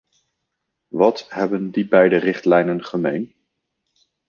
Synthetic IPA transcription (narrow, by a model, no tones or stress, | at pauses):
ʋɑtɦɛbəndibɛjdərɪχtlɛjnənχəmejn